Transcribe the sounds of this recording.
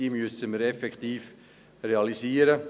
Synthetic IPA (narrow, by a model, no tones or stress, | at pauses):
iːmyəsəməɾɛfɛkχt̪iːf | ɾeɑliziːəɾə